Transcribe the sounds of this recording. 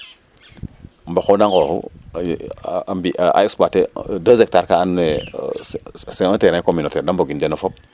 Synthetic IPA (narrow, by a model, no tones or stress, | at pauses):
m̩baxodaŋɡohṵ | ambiʔa̰ekspatedəzek̚taɾkaane | seoteɾãkominoteɾdamboɡindenofop̚